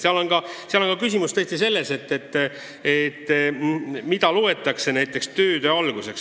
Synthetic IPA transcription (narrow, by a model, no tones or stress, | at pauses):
seɑlo̞nkɑseɑlo̞ŋkɑkysimust̪ɤst̪ise̞lːe̞se̞t̪ːet̪ː | et̪ːˑ | mid̪ɑlue̞t̪ːˑɑkse̞næjt̪ˑːe̞kst̪ø̞ːd̪øɑlɡ̥use̞ks